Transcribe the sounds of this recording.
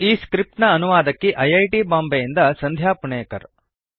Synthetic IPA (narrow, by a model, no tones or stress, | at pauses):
iːskɾip̚ʈnɐːnuʋaːd̪ɐkːiʔɐjɐjʈibaːmbejind̪ɐsɐnd̪ʱjaːpuɳeːkɐ̰ɾ